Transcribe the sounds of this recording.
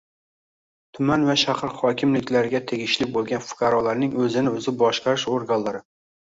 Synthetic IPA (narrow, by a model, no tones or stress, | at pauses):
t̪ʰʊmanvaʃahɾχɒkʲʰɪmlɪkʲlaɾɪɡʲat̪ʰe̞ɡʲɪʃlɪk̚ʲbolˠɡʲanfʊ̥qʰɑɾɒlaɾnɪŋɵzɪnɪɵzɪbɒʃqɑɾɪʃoɾɡanlaɾɪ